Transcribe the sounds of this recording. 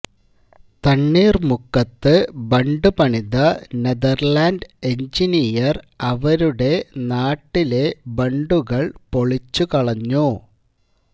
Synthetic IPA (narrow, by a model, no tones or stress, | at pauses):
t̪ɐɳːiːrmukːɐt̪ːɨbɐɳɖupɐɳiðɐneðɐrlaːnɖe̞ɲd͡ʑinijɐrɐʋɐɾuɽe̞naːʈːile̞bɐɳɖuɣɐɭpo̞ɭit͡ɕːukɐɭɐɲːu